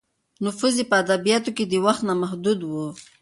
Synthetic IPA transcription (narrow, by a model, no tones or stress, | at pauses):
nʊfuzepəad̪abijɑt̪oked̪əwaxt̪namaɦd̪ud̪wu